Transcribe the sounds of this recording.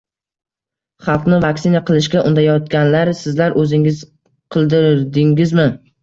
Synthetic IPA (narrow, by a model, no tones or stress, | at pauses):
χɑlˠqnɪvakʲsɪnaqʰɨlˠɪʃkʲaʔʊnd̪ajɒt̪kʲanlaɾsɪzlaɾʔɵzɪŋɪz | qʰɨlˠd̪ɪɾd̪ɪŋʲɪzmɪ